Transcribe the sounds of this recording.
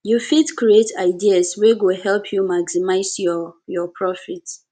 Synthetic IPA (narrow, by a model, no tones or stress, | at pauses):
jufitkɾietʰaɪdiasweɡuhɛlpʰjumaksimaɪsjɔjɔpʰɹɔfit